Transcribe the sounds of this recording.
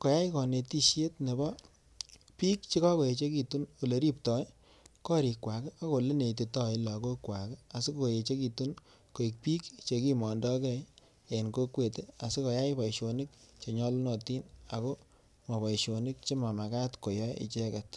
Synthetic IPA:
ko˨ja˦ɪ˦kɔ˨ne˨ti˦ʃje˦tne˨bɔ˦ | pi˦k̚t͡ʃi˦kɔ˦ko˨je˨t͡ʃe˦ki˨tu˦no˨le˨ɾi˦p̚tɔ˨j | kɔ˦ɾi˨kwa˨ke˦a˦ko˨le˦ne˨i˨ti˨tɔ˨i˦la˨ko˦kwa˨ke˦a˨si˦koko˨je˨t͡ʃe˦ki˨tu˦n | ko˨i˨k̚pi˦kt͡ʃe˧ki˦mɔ˨ndɔ˦kɛ˦ | e˨nko˦kwe˨te˦a˨si˦ko˨ja˦jpɔ˨iʃo˨nɪ˦k̚t͡ʃe˨ɲɔ˦lnɔ˨ti˦na˨ko˦ | ma˨bɔ˨iʃo˨nɪ˦k̚t͡ʃe˦ma˨ma˨ka˦tko˨jɔ˦ḭ˨t͡ʃe˦kɛ˨t

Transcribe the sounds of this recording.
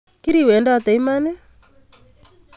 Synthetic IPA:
ki˦ɾiwɛ˨ndaɔ˨ta˨i˦manɛ

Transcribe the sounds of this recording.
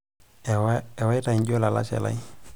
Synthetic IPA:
ɛ˨wa˦i˦ta˨i˨ɲɟo˦la˨la̰˦t͡ʃɛ̰˨la̰˦i

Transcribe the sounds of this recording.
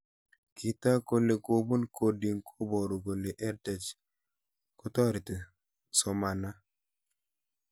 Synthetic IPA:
ki˨ta˦ko˦le˨ko˦bo˦nkʰo˨di˨ŋkʰo˦bɔ˨ɾo˨ɡo˨le˨ʔɛ˦ɾtɛ˨t͡ʃ | ko˦tɔ˦ɾi˨te˨ | sɔ˨ma˨na˦

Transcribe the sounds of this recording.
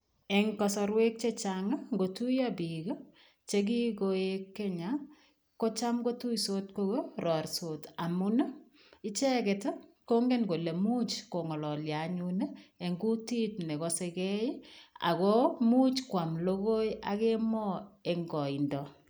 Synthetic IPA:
e˨ŋkɔ˨sɔ˧ɾwe˦k̚t͡ʃet͡ʃaŋa˦ŋɡo˨tu˦jabi˨ɡə˦ | t͡ʃe˦ɡ̬i˦ɡo˨ekːe˦ɲa˨ | ko˦t͡ʃa˦mɡo˦tu˦jso˦t̚ko˦ɡo˦rʔɔ˨rso˨ta˨muna˦ | ɪt͡ʃɛ˦ɡe˨t | ko˦ŋɡe˦nɡo˨le˨mu˦t͡ʃko˨ŋɔ˨lɔ˨lja˨ɲune˦e˨ŋɡu˦ti˦tne˨kɔ˦se˧kɛ˦ja̰˨ɣɔmu˦t͡ʃkwa˨mlo˦ɣo˦ja̰˨ke˦mɔ˦e˨ŋɡɔ˨i˨ndɔ˨

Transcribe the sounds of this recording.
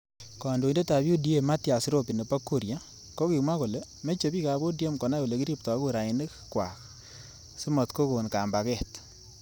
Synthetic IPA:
kɔ˨ndo˨i˨nde˦ta˨bju˦di˦e˨ma˦tja˨si˦ɾo˦pi˨nɛ˨pa˦kːu˦˨ɾja˦ | kɔ˦ki˨ma˦ko˨lɛ˦ | me˦t͡ʃe˨bi˦ka˨bo˦dje˦mkɔ˨na˦o˨le˨ki˦ɾi˦p̚tɔ˨˦ku˦ɾa˨ɪ˨nɪ˦kkwa̰˨k | si˦mɔ˨tko˦ko˨nka˨mba˨kɛ˦˨t

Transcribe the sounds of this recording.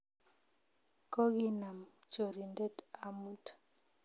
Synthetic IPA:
ko˦ɡi˦na˨m | t͡ʃo˨ɾi˨ndɛ˦ta˨mu˦t

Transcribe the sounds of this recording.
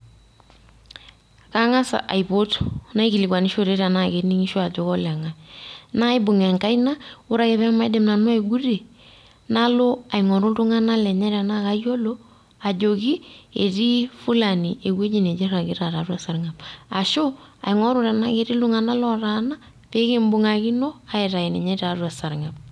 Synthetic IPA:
ka˦ŋa˦sa̰˨ʔa˨jpo˦tna˦i˦ki˨li˨kwa˨ni˦ʃo˦ɾe˦ɾa˨na˦ke˨ni˦ŋi˦ʃo˦a˨d͡ʒo˦kɔ˦lɛ˨ŋa˨na˦ɪ˦bʊ˨ŋɛ˨ŋka˦jna˦ʊ˦ɾa˨˦ke˨βɛ˦ma˦jde˨mna˨nwa˦e˨ɡu˦de˨ | na˦lo˦a˨ɪ˨ŋɔ˨ɾʊ˦ltʊ˦ŋa˦na˦lɛ˨ɲɛ˦ɾa˨na˦ka˦jo˦lo˦ | a˨d͡ʒo˨ki˦e˨ti˦fu˦la˨ni˨e˨kwe˦d͡ʒi˦ne˨d͡ʒe˦ɾa˨kɪ˦ɾa˨ɾa˨ɾwa˨sa˨ɾŋa˨ba˨ʃo˦a̰˨ɪ˨ŋɔ˦ɾʊ˦ɾɛ˨na˦ke˦ɾi˦ldʊ˦ŋa˨na˦lɔ˦ɾa˨na˦ | pe˦ke˦mbʊ˨ŋa˨ki˦no˦a˨ɪ˨ɾa˨i˨nɛ˨ɲa˦ɾa˨˦rwa˨sa˨ɾŋa˨b̚

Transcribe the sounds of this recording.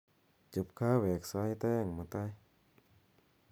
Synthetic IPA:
t͡ɕɯ˨˧˩p̚kʰaː˧˥˨wɛː˨˩k̚sa˧˥˨jt̪ɛː˧˥˩ŋmɯ˨˧˩t̪a˧˥˩j

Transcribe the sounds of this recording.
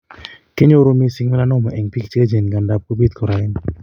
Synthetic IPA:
ke˦ɲo˦ɾo˦mi˦si˦ŋmi˦la˦nɔ˦˨ma˨ʔɛ˨ŋpi˦kt͡ʃe˦d͡ʒe˨n˨ɡa˨nda˨p̚ko˦bi˦t̪kɔ˨ɾa˨ɪ˦n

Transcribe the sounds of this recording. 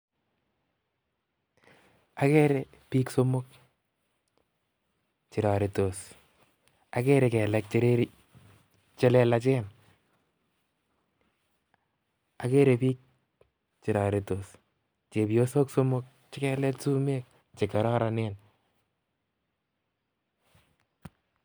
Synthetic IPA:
a˨kɛ˦ɾe˦ | pi˦kso˦mo˦k | t͡ʃɪ˨ɾa˨ɾi˨to˨s | a˨kɛ˦ɾɛkɛ˨lɛk̚t͡ʃe˦ɾe˦ɾi | t͡ʃɛ˦lɛ˦lat͡ʃɛ˦n | a˨ke˦ɾe˨pi˦k̚ | t͡ʃi˨ɾa˨ɾi˨to˨s | t͡ʃe˨pjo˦so˦kso˦mo˦k̚ | t͡ʃɪ˦kɛ˨lɛ˦tsu˦me˦k̚ | t͡ʃe˨ka˨ɾɔ˦ɾa˨ne˦n

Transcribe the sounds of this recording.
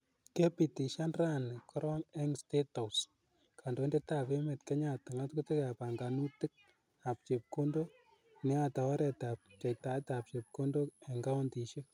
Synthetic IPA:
ke˦pi˨ti˨ʃa˦nra˦nkʰɔ˦ɾɔ˦ŋɛ˦ŋsteto˨s | kʰa˨ndo˨nde˦takeme˨tkɛ˦ɲa˨tɪ˨ŋatku˦te˦ka˨pa˨ŋɡanu˦tɪ˦k̚ | a˨p̚t͡ʃe˨p̚kondo | nɛ˦ata˨ɔ˦ɾɛ˨tap̚t͡ʃa˨jta˦tap̚t͡ʃe˨p̚ko˦ndo˦ɛ˨ŋɡa˦ɔ˦nti˨ʃek̚

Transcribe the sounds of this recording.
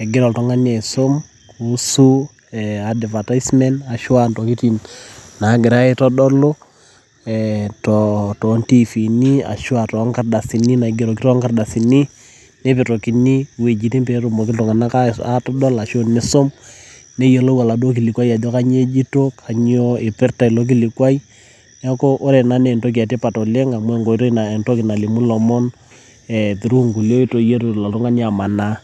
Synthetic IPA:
ɛ˨ɡɪ˦ɾɔ˨ltɔ˦ŋa˦ɲe˨so˦m | ku˦su˦ | ɛa˨dva˨ta˦ɪsmɛ˦nta˨ʃwa˦ntɔ˨ki˦ti˨nna˨˦ɡɪ˨ɾa˦ɪ˦tɔ˦dɔ˦lo˦ | ɛtɔtɔ˨nti˦fi˨ni˦a̰˨ʃʊ˦a˨tɔ˨˦ŋka˦rda˨si˨ni˦na˨ɡɪ˨ɾɔ˨ki˦tɔ˦ŋka˨rda˨si˨ni˦ | ne˦pe˨to˨ki˦ni˦we˨d͡ʒi˨ti˦mpe˨˦ɾo˨mo˨k̬ɪ˦ltɔ˨ŋa˨na˦ka˦tɔ˦dɔ˦la˨ʃo˦nɪ˦so˦m | ne˦je˨lo˦wa˨la˨do˦k̬i˨li˨kwa˦i˦a˨d͡ʒo˦ka˦ɲ˦e˦d͡ʒi˦to˦kʰa˨ɲ˦o˦ɪ˨pɪ˦rta˨ɪ˨lo˦k̬i˦li˨kwa˦i˦ | na˦ko˦ʔːɾɛ˨na˦ne˨nto˦k̬i˨a˨te˦pa˨tɔ˨le˦ŋa˨mwɛ˦˨ŋɡo˨i˦to˦na˨nto˦kɪ˨na˨li˨mu˦lɔ˨mɔ˦n | ɛ˨tɪ˨ɾu˦ŋɡu˨ljo˦i˦to˦je˦ɾo˨la˨tu˦ŋa˦ni˦a˨ma˨na˦

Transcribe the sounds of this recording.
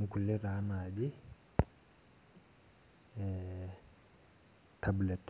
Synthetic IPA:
ŋ̩˨ku˨lɛ˦ɾaː˦madi | tʰablɛt

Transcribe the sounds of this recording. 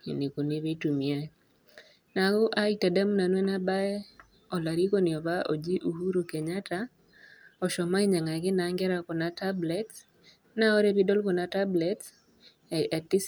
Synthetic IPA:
i˨ni˨ku˨ni˦βi˦tu˨mi˨e˦ | na˨ɡʊ˦ʔa˦i˦ta˨da˦m˦na˨nwɛ˦na˦ba˦ɛ˦ | ɔ˨la˨ɾi˦ko˦nɪ˨ɔ˨ba˦ʔo˨d͡ʒi˦ʔu˨hu˦ɾu˨kɛ˨ɲa˦ta˦ | ɔ˨ʃɔ˨ma˦i˦ɲa˨ŋa˨ɡɪ˦na˨˦ŋɡɛ˦ɾa˦kɔ˨na˦ta˦blɛ˦t | na˦o˦ɾe˦bi˦dɔ˦lkɔ˨na˦ta˦blɛ˦ts | ɛ˨ti˦

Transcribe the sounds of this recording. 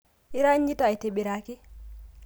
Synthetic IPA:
i˦ɾa˦ɲd͡ʒi˦ta˨jte˨ɓi˨ɾa˨ki˦

